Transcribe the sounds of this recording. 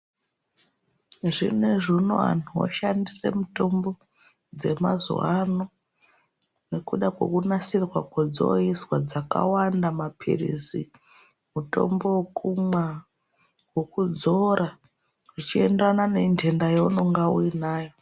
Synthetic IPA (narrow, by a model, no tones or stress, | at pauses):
ʐineʐino̰a̰nʰuwo̰ʃandise̞̰muto̞mbo̞ | d͡ze̞mazwano | ne̞kuɗakwo̞̰kunasirwakwod͡zo̰iswad͡zaka̰wandamapʰḭrḭzḭ | muto̞̰mbo̞kuma | wokud͡zo̞ɾa | ʐit͡ʃie̞ndranane̞nd͡ʒe̞ndajouno̞ŋɡauinaːjo̞